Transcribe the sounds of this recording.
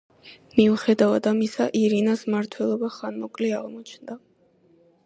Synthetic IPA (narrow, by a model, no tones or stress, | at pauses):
miuχɛd̪avad̪amisaʔiɾinasmaɾt̪ʰwɛlˠɔbaχanmɔkʼlɛaʁmɔt͡ʃʰnd̪a